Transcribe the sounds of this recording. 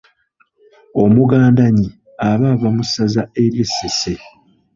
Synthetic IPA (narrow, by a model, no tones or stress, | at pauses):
o̞muɡaːndaɲi | aβavamusazae̞ɾjesese